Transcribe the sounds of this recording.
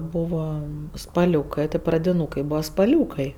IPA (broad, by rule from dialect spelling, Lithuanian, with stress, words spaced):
ˈbuːʋɐ spɐˈlʲuːkɐɪ tʲɪ prɐdʲɪˈnuːkɐɪ ˈbuːʋɐ spɐˈlʲuːkɐɪ